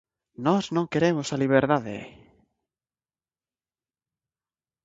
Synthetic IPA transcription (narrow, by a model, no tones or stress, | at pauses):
nɔznõŋkeɾemʊsaliβ̞eɾðaðɪ̰